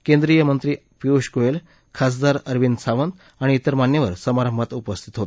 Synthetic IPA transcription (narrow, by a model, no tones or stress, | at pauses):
kend̪ɾijəmənt̪ɾiː | piuɕkoel | kʰas̬d̪aɾəɾʋinsaʋənd̪ | aɽ̃iːt̪əɾmanːjəʋəɾsəmaɾəmbʱat̪upəst̪ʰit̪ɦot̪